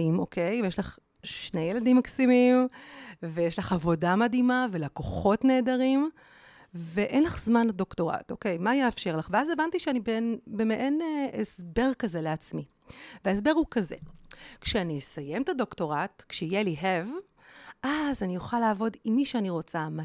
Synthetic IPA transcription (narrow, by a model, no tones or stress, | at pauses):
imʔo̞kʰe̞jjeʃlaχ | ʃnejeladimːaksimim | vejeʃlaχavo̞damadimavelakoχo̞tne̞ːdaʁim | veʔenlaχzmanado̞kto̞ʁa̰to̞̰ke̞jmajeːfʃe̞ʁlaχveaze̞vantiʃeanibenbemeʔeneʔesbe̞ʁkazeleat͡smi | veaes̬be̞ʁhukaze̞̰kʃeaniesaje̞mt̪ado̞kto̞ʁatkʃeijeliɦev | ʔazanijoχalaːvo̞dimːiʃeaniʁo̞t͡sama